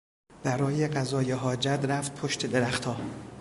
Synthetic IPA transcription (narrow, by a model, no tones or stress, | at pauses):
b̥æɾɒːjeɡæzɒːjeɦɒːd͡ʒæt̪ɾæft̪̚pʰoʃt̪ʰe̞d̪eɾæxt̪ʰɒː